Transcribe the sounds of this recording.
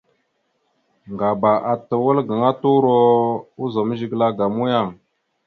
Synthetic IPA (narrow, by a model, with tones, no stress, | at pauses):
ŋɡa˨ba˨ʔa˨tə˨wə˦lɡə˨ŋa˦tu˦ɾo˦u˦zo˨mə˦ʒi˨ɡla˦ɡa˨mu˦ja˦˨ŋ